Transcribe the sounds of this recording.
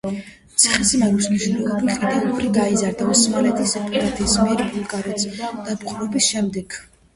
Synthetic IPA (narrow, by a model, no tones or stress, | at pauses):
t̪sʰiχisimɛmusniʒɾɛlˠɔbikʼid̪anuɾiɡaizaɾd̪aɔsmalɛt̪ʰisɛpʰʼɔlat̪ʰiːsmɛɾibulˠɡʼaɾɛt̪sd̪̥ab̪kʼulɔbisʃɛmd̪ɛɡ